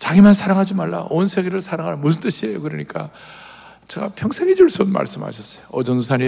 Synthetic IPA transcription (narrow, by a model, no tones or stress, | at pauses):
t͡ɕaɡimansʰaɾaŋɦad͡ʑimaɭːa̰ʔonsʰeɡeɾɯɭsʰaɾaŋɦaɾmusʰnt͈ɯɕʰiejokɯɾʌɲik͈a | t͡ɕe̞ɡapʰjʌŋsʰeŋed͡ʑuɭs͈onma̰ɭs͈ɯmha̰ɕʰʌs͈ʌ̥joʌd͡ʑʌns̬ʰaɲi